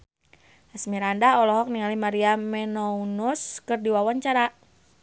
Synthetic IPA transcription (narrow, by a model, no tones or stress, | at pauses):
asmiɾandaɔlɔɦɔk̚niŋalimaɾiamɛnɔunuskɨrdiwawaɲt͡ʃaɾa